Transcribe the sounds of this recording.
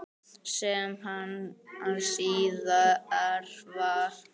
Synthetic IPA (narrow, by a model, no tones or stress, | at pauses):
sɛmɦanansiːðaɛɾva